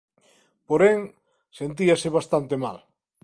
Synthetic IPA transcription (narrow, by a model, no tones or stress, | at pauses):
poɾeŋ | sent̪iaseβ̞ast̪ant̪ema̰l